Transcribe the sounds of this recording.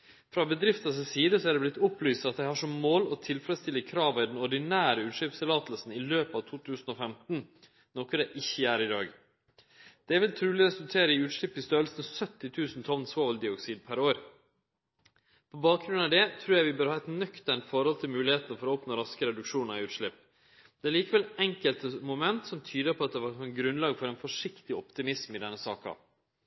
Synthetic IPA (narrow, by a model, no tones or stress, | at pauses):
fɾɑbəd̪ɾɪft̪ɑssiːd̪əsɔæɖɛblɪt̪ːʊplyːst̪ɑt̪̚d̪æɪhɑːʂɔmmoːlɔt̪ʰɪlfɾɛt̪st̪ɪlːəkʰɾɑːʋəɪd̪ɛnɔɖɪnæːɾəʉːt̪ʂɭɪpst̪ʰɪlɑːt̪əlsn̩ɪløːpɑʋt̪ʰuːt̪ʰʉːsn̩ɔfɛmt̪n̩ | nɔkəd̪ɛʔɪçːəæːɾɪd̪ɑ̰ːɡ | d̪̥ɛʋɪlt̪ʰɾʉːlɪɾɛsʉlt̪ʰeːɾəɪʉːt̪ʂɭɪpːɪst̪øːlsənsœt̪ːɪt̪ʰʉːsnt̪ʰɔnsʋoːʋəld̪ɪɔksiːd̪̚pʰæɾoːɾ | pʰɔbɑːkɡɾʉnɑd̪ɛt̪ʰɾʉːɾjæɪʋɪbøːɾhɑːɛt̪nœkt̪æɳʈfɔɾhɔlt̪ʰɪlmʉːlɪheːt̪nəfɔɾɔɔːpnɔɾɑskəɾɛd̪ʉkʂuːnəɾɪʉːt̪ʂɭɪpː | d̪̥ɛæɭiːkəʋɛlɛŋkəlt̪əmʊmɛnt̪sɔmt̪ʰyːd̪əpʰɔɑt̪̚d̪ɛʋɑɾɔɡɾʉnlɑːɡfɔɾɛɪnfɔʂɪkt̪ɪɔpt̪ɪmɪsmɪd̪ɛnːəsɑːkɑ̰